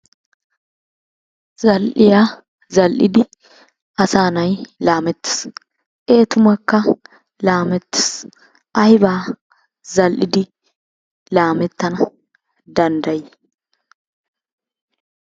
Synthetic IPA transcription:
zɐlʔɪjaː | zɐlʔɪd̪ɪ | ʔɐsaːnɐjlaːmɛt̪ːɪ̥s | ʔe̞ːt̪ʊmɐkːɐ | laːmɛt̪ːɪ̥s | ʔɐjbaː | zɐlʔɪd̪ɪ | laːmɛt̪ːɐnɐ | d̪ɐnd̪ɐjɪ

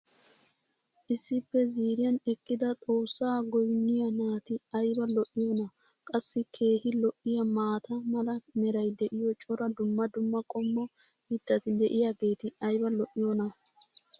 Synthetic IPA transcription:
ʔɪsːɪpːɛziːɾɪjɐnɛkʼːɪd̪ɐt̪ʼo̞ːsːaːɡɔjnːɪjɐnaːt̪ɪɐjbɐlɔʔːɪjoːnɐ | kʼɐsːɪkʰe̞ːhɪlɔʔːɪjɐmaːt̪ɐmɐlɐmɛɾɐjd̪ɛʔɪjɔt͡ʃʼɔɾɐd̪ʊmːɐd̪ʊmːɐkʼɔmːɔ | hɪd̪ːɐt̪ɪd̪ɛʔɪjaɡe̞ːt̪ɪɐjbɐlɔʔːɪjonɐ

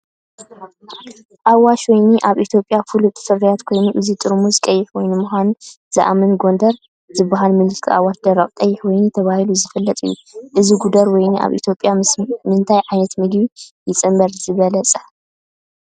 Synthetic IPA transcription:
ʔawaʃwɔjniʔaβʔit̪ʰjo̞pʼjafɨlut̪ʰʼɨ̥fɨrːijat̪kʰo̞jnuʔɨzit̪ʼɨɾmuzkʼɐjːɪħwɔjnumuxʷan | z̥a̰ʔa̰mɨnɡo̞nd̪ɐɾ | zɨbːaɦalmɨlɨskʰiʔa̰waʃd̪ɐɾɐχʼt̪ʼɐjːɪħwɔjnut̪ʰɐβahiluzɨfɨlːɐt̪ʼɨ̰jːṵʔɨziɡud̪ɐɾwɔjniʔa̰βʔḭt̪ʰjo̞pʼːjamɨnt̪ʰajʕajnɐt̪mɨd̪jujɪt͡sʼɨmbɐɾzɨβɐlɐt͡sʼɐ̥

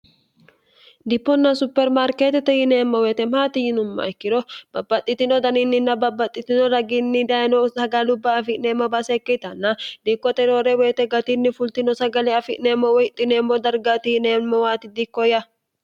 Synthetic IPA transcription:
d̪ɪpːɔnːɐsʊpːɛɾmaɾket̪ɛt̪ɛjɪneːmːɐweːt̪ɛmaːt̪ɪjɪnʊmːɐ̰ɛkːɪɾɔb̥ɐbːɐt̪ʼːɪt̪ɪnɔd̪ɐnɪnːɪnːɐbɐbːɐt̪ʼːɪt̪ɪnɔɾɐɡinːɪd̪ɐjnɔsɐɡɐlʊbːɐːfɪʔneːmɐbɐsɛkːɛt̪ɐnːɐd̪ikːɔt̪ɛɾoːɾɛweːt̪ɛɡɐt̪inːɪfʊlt̪ɪnɔsɐɡɐlɛɐfɪʔneːmːɔwɔjɪt̪ʼːɪneːmːɔd̪ɐɾɡat̪ɪjɪneːmːɔwaːt̪ɪd̪ikːɔjɐ

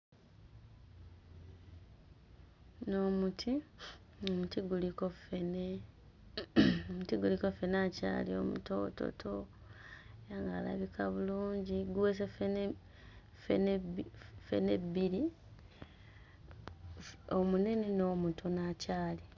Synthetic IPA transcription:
no̞ːmutʰi | omutiɡulikofene | omutiɡulikofe̞naca̰ːlio̞̰mṵto̞̰ːto̰tʰo | ejaŋɡa̰ːla̰βikʰaβuluːɲɟiɡuweːs̬efe | fen | fḛnebiɾi | omune̞neno̞ːmutʰonaːcaːli

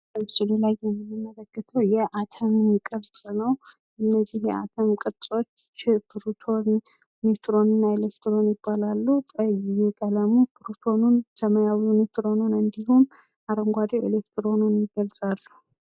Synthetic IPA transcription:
ləmsɨlulajɛmɨmimːələkːɨt̪ʰəwjɛʔat̪ʰəmnikʼəɾsʼɨnəw | ɨnːəzːihjɛ̰ʔa̰t̪ʰəmkʼɨt͡sʼo̞t͡ʃː | bɨɾut̪ʰon | mit̪ʰɾo̞nɨnːaelekt̪ʰɨɾo̞njɪbːalalːut̪ʼəjjukʼələmubʰɨɾut̪ʰo̞nunsəməjawumit̪ɾo̞nunɨnd̪ihum | ʔaɾəŋɡʷad̪ewḛlekt̪ʰɾo̞nunjɪɡəlsʼalːu

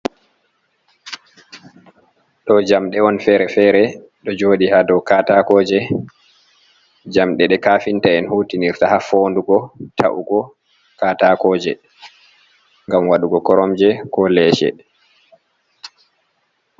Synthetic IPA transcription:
ɗɔd͡ʒamɗɛɔnfɛːɾɛfɛːɾɛ | ɗɔd͡ʒoːɗihadɔwkatakɔːd͡ʒɛ | d͡ʒamɗɛɗɛkaːfintaɛnhutiniɾtahafoːnduɡɔtʰa̰ʔṵɡɔ | katakɔːd͡ʒɛ | ŋɡamwaɗuɡɔkɔɾɔmd͡ʒɛkɔlɛːʃɛ̰

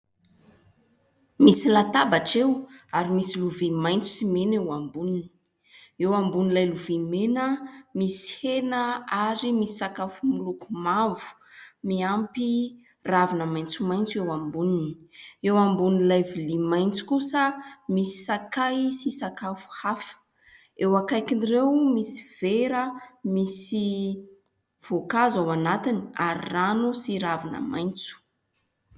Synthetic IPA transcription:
misilat̪abaʈ͡ʂewaɾimisiluvimajnt͡su̥simenewambunini̥i | ewambunilajluvimenəmisi̥henəaɾimisi̥sakafumulukumavu̥ | miampi | ravinəmaj̃nt͡sumajnt͡sewambunini̥ewambunilajvilimajnt͡su̥kusəmisi̥sakajsisakafu̥hafə̥ | ewakajkinrewmisiv̥eɾəmisi | v̥okazawanat̪inia̰ɾḭranusiɾavinə̰majnt͡su̥

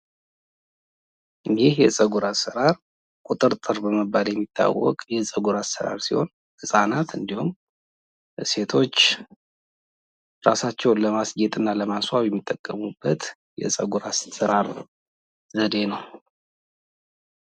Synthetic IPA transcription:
ɨjihjɛsʼəɡuɾasəɾaɾ | kʼut̪ʼɨɾt̪ʼɨɾbəməbaljɛmːit̪ʰːa̰wːɔ̰kʼjɛsʼəɡuɾasəɾa̰ɾsiho̞n | hɨsʼanat̪ɨnd̪ihum | se̞t̪ʰo̞t͡ʃː | ɾasat͡ʃːɛwnləmasɡet̪ʼɨnːaləmaswawjɛmːit̪ʼːəkʼːəmubːət̪ | jɛ̰sʼəɡuɾassəɾaɾ | zəd̪e̞nəw

